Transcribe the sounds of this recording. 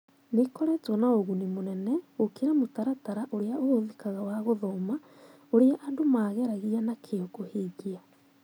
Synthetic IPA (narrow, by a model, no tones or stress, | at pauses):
nekɔɾɛtwɔnaoɣunimonɛnɛokeɾamotaɾataɾaʔoɾeaooðikaɣawaɣoðɔma | oɾeaʔandomaːɣɛɾaɣianakʰeokoheɡia